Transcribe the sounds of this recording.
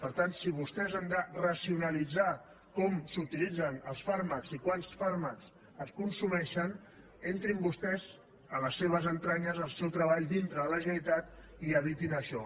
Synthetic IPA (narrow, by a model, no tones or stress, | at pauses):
pəɾt̪ansiβ̞ust̪ɛzand̪ərəsiunəlid͡za | kɔmsut̪ilid͡zənəlˠsfaɾməkzikwansfaɾməkz | əskunsumɛʃən | ent̪ɾimbust̪ɛz | ələsːeβ̞əzənt̪ɾaɲəzəlˠsɛwt̪ɾəβ̞aʎd̪int̪ɾəðələʒəlit̪at̪ | iəβit̪inəʃɔ